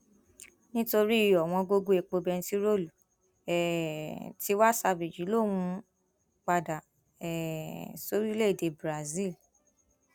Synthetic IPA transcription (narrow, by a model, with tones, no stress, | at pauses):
nĩ˦to˧ɾi˦i˨˧jɔ˨w̃ɔ̃˧ɡo˧ɡo˦e˨k͡po˧bɛ˧n̩˧ti˦ɾo˦˨lu˨ | ɛ˨ti˧˦wa˦sa˧bi˨d͡ʒi˨˦lo˦˨mũ˧ | k͡pa˧da˨ | ɛ˨so˨˦ɾi˦˧˦le˦˨de˨˧bɾa˨zi˦˨l